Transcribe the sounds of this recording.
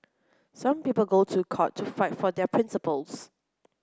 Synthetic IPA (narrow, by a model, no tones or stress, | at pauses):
sãmpiːpəlˠɡotʰukʰɔtʰːufaɪtfɔdɛpʰɹɪ̃nsəpəls